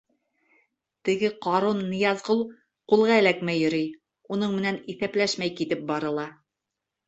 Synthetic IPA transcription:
t̪ɘ̆ɡɘqɑɾonːɤ̆jɑzʁɤlˠ | qulˠʁɑɘ̆lækmæjɵ̆ɾɘj | unɤɴmɘ̆næniθæplæʃmæjkit̪ɘp̚bɑɾɤ̆lˠɑ

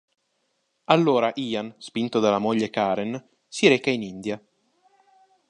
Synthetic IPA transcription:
alːoːɾaʔiːanspint̪od̪alːamoʎːekaːɾen | siɾeːkainind̪ja

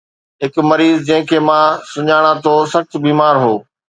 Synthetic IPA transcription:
ɦɪkmɐɾiːzd͡ʑɐ̃ɦɪ̃kʰeːmãsʊɲaːɽ̃ãt̪ʰoːsɐxt͡ɕbiːmaːɾɦoː

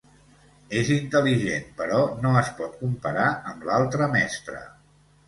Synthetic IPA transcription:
ezint̪əliʒenpəɾɔnoəspɔt̪̚kumpəɾaəmlalˠt̪ɾəmɛst̪ɾə̰

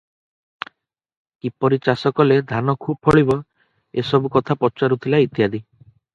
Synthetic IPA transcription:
kipɔɾit͡ʃasɔkɔled̪ʱanɔkʰub̚pʰɔɭibɔ | esɔbukɔt̪ʰapɔt͡ʃaɾut̪ʰilait̪jad̪i

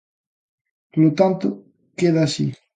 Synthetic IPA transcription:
plot̪ant̪o | keðasḭ

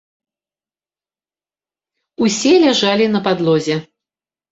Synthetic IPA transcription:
usʲɛlʲaʐalʲinɐpad̪lˠɔzʲɛ

